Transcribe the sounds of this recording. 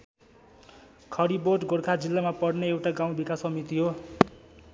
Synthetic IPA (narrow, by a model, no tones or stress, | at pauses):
kʰʌɾiboʈɡoɾkʰad͡zilːamapʌɽneewʈaɡaw̃bikasʌmit̪iɦo